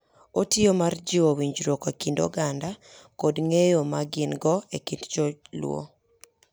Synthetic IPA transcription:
otɪomard͡ʒɪowiɲd͡ʒɾokakindo̰ɡandakodŋejomaɡɪnɡɔekindd͡ʒolwo̰

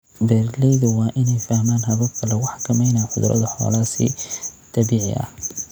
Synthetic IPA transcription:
bɛrlɛjðʊwɑːʔɪnɛjfahmaːnɦɐβɐbkʰɐlɛwʊħɑ̥kʰɐmɛjnaːħʊðɾʔɐ̰ðɐħɔ̰ːlaːsḭːt̪ʰɐbiːʕɪ̰ʔɐ̰h

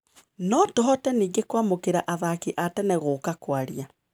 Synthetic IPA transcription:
nɔtɔɦɔtɛniːɡekwamokeɾaʔaðakeʔatɛnɛɣoːkakwaɾia

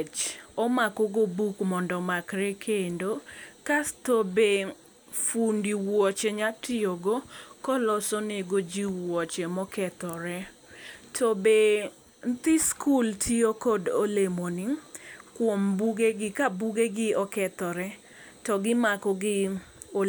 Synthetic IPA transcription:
t͡ʃɔmakɔɡobukmɔndɔmakɾɛkʰendokastobe | fundiwwɔt͡ʃeɲatɪoɡokɔlɔsɔneɡod͡ʒiwɔt͡ʃɛmɔkɛt̪ɔɾɛ | tʰɔbe | nt̪ɪskultʰiokodolemoniŋkwɔmbuɡeɡɪkabuɡeɡɪɔkɛt̪ɔɾɛ | tɔɡɪmakɔɡɪo

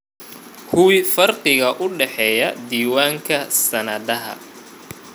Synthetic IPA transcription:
kʰʊwɪfɐrqɪɣɐʔʊɖɛħɛːjɐd̪iːwaːŋkʰɐsɐnɐðɐɦɐ̰

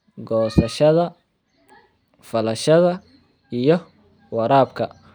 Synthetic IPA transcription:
ɡɔːsɐʃɐðɐ | fɐlɐʃɐðɐ | ijɞ | wɐɾaːbkʰɐ

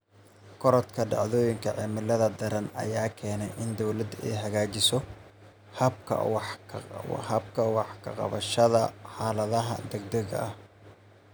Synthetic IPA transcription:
kʰɔɾɐt̪kʰɐɖɑ̰ʕðɔːjɪŋkʰɐʕɛːmɪlːɐðɐd̪ɐɾɐnɐ̰jaːkʰɛːnɛjʔɪnd̪ɔwlɐd̪ɛ̰jɦɐɣaːt͡ʃɪsɔ | hɐbkʰɐ̰wʰ | hɐb̚kʰɐwɑħkʰɐ̰qɑ̰βɐ̰ʃɐðɐħɑːlɐðɐɦɐ̰d̪ɛɡ̚d̪ɐɣɐ̰ʔɐh

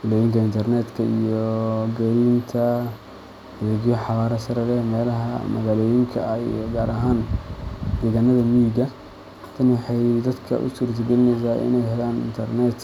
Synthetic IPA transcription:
kʰʊlɛjɪŋkʰɐɪnt̪ʰɐrnɛːd̪kʰɐijɔɡɐɾiːnt̪ʰɐ | hɐðɛɣjɔħɑβaːɾɐsɐɾɛlɛmɛːlɐɦɐ̰mɐɣaːlɔːjɪŋkʰɐḭjɔɡaːɾɐɦaːn | d̪ɛːɣaːnɐðɐmiːɡɐ | t̪ʰɐnwɑħɑjd̪ɐd̪kʰɐ̰ʔʊ̰suːrt̪ʰɐɡɛlɪnɛjs̬aːʔɪ̰nɛjhɐlaːnɪ̰nt̪ʰɐrnɛt̪

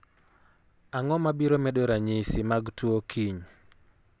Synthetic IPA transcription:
aŋɔmabiɾomɛdoɾaɲisimaɡtwokʰiɲ

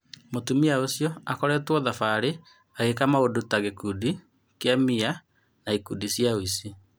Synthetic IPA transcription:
motumiaosjɔakɔɾɛtwɔðafaɾe | aɣekamaodotaɣekudi | keamia | naikudisjaoisi

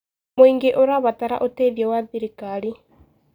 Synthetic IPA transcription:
moiŋɡeʔoɾaβataɾa̰ʔoteβjɛwaðiɾikaɾi

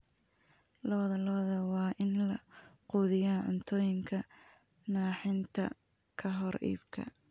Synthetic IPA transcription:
lɔːðɐlɔːðɐwɑːʔɪnlɐqʊːðɪjaːʕʊ̰nt̪ʰɔːjɪŋkʰɐnaːħɪnt̪ʰɐ̰kʰɐɦɔrḭːbkʰɐ̰

